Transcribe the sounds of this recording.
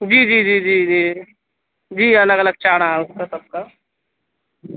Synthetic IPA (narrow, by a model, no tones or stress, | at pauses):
d͡ʒiːd͡ʒiːd͡ʒiːd͡ʒiːd͡ʒiː | d͡ʒiːɐləɡələɡ̚t͡ʃaːɽ̃aɦɛʊskasəb̚ka